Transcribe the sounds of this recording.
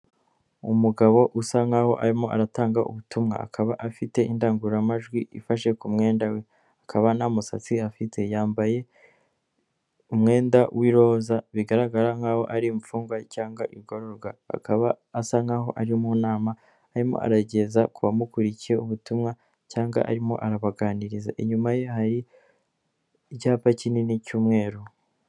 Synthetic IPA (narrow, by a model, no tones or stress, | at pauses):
umuɡaβo̞ʔusaŋaho̞̰ʔaɾimo̞ʔa̰ɾataːŋɡaʔṵβutʰumŋa̰a̰kʰaβaʔafite̞indaːŋɡuɾamaʒɡwiʔḭfaʃe̞kumŋe̞ːndawe̞ | akʰaβanamusat͡siafitʰe̞jaːmbaje̞ | umŋe̞ːndawʔiɾo̞zaβiɡaɾaɡaɾaŋɡawo̞̰ʔaɾimufuːŋɡwacaːŋɡaʔiɾɡoɾoɾɡwaa̰kaβaːsaŋaɦo̞̰ʔaɾimunaːmaː | ɾimo̰ʔa̰ɾaɟe̞zakuβamukuɾicieuβutumŋa | caːŋɡa̰ʔa̰ɾimo̞̰ʔaɾaβaɡaːniɾiza̰ʔeɲumaje̞haɾi | caːpacininicuːmŋe̞ːɾo